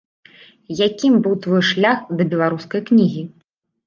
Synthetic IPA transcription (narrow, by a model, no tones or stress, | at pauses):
jakʲimbɨwt̪vɔjʂlʲaxd̪ɐbʲɛlˠaɾuskɐjknʲiɣʲi